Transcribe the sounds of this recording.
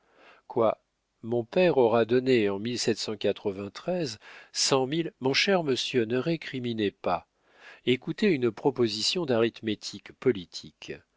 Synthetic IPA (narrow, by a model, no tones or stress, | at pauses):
kwa | mɔ̃pɛʁɔʁad̪ɔneɑ̃milsɛt̪sɑ̃kat̪χəvɛ̃t̪χɛzsɑ̃milmɔ̃ʃɛʁməsjønəʁekχiminepa | ekut̪eynpχɔpozisjɔ̃d̪aʁit̪met̪ʰikpɔlit̪ʰik